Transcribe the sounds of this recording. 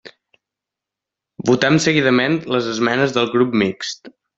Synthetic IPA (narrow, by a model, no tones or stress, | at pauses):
but̪ɛmsəɣiðəmenləzəzmɛnəzðəlˠɣɾup̚mikst̪